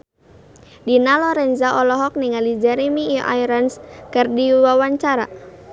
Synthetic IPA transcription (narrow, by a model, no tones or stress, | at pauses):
dinalɔɾɛnzaʔɔlɔɦɔk̚niŋalid͡ʒɛɾɛmiʔajɾanskɨrdiwawaɲt͡ʃaɾa̰